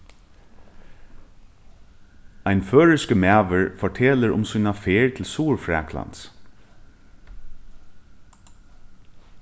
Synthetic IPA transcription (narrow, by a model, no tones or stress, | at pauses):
ajnføːɹɪskəmæːʋəɹfɔʈʰɛːləɹʊ̰msuːnafeːɹt̪ʰɪlsuːɹfɹɛ̰ːkʰla̰nt̪s